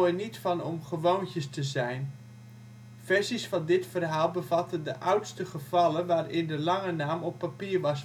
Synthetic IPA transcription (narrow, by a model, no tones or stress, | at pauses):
nitfɑnɔmχəʋowntjəstəzɛjn | fɛɹsisfɑndɪtfərɦaːlˠbəvɑtəndəʔawtstəχəv̥ɑlənʋaːrɪndəlɑŋənaːmɔpːapiːəɹʋɑs